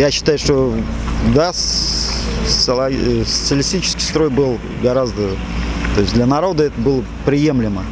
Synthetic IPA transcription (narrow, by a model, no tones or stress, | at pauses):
jaɕːɪ̥t̪ajʊʂt̪o | d̪as | ssəlˠɐsə̥t̪sɨəlʲɪsʲt̪ʲit͡ɕɪ̥skʲɪjst̪ɾo̞jbɨlˠ | ɡɐɾazd̪ə | t̪o̞jɪsʲd̪lʲənɐɾo̞d̪əɛt̪əbɨlˠə | pɾʲɪjemlʲɪmə